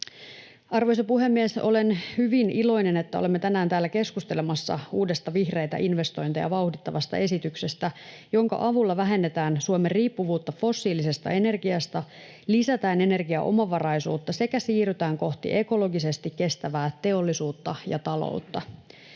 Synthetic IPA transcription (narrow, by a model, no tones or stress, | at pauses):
ɑrʋo̞jsɑpuɦe̞mːieso̞̰le̞nhyʋinilo̞jne̞net̪ːæo̞lemːet̪ænæːnt̪æːlːæke̞skust̪elemɑsːɑ̰uːdest̪ɑʋihre̞jt̪æ̰ʔinʋe̞st̪o̞jnt̪ɑjɑ̰ʋɑuhdit̪ːɑʋɑst̪ɑ̰ʔe̞sit̪ykse̞st̪æ | joŋkɑ̰ʔɑʋulːɑʋæɦe̞nːet̪æːnsuomerriːpːuʋuːt̪ːɑfo̞sːiːlise̞st̪ɑ̰e̞ne̞rɡiɑst̪ɑ | lisæt̪æːne̞ne̞rɡiɑ̰ʔo̞̰mɑʋɑrɑjsṵːt̪ːɑse̞kæsiːryt̪æːŋko̞ht̪ḭʔe̞ko̞lo̞ɡise̞st̪ikkːe̞st̪æʋæːt̪e̞o̞lːisuːt̪ːɑjɑ̰t̪ɑlo̰ut̪ːɑ